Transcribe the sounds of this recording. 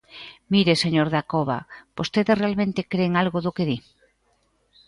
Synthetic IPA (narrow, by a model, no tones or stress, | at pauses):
miɾeseɲoɾðakoβa̰b̥ost̪eðesrealmẽnt̪ekɾeːŋalɣoðokeði